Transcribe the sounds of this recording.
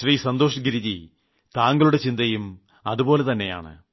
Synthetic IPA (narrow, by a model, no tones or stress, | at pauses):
ɕriːsɐnd̪oːʂɐɡiɾiði | t̪aːŋɡɐɭuɽe̞t͡ɕind̪ɐjum | ɐðupo̞ːle̞t̪ɐnːe̞ja̰ːɳɨ̰